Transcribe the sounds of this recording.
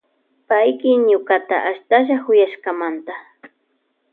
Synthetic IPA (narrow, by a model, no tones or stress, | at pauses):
pajkɪɲʊkat̪a̰ʔaʃt̪aʃ̬aχʊjaʃkamant̪a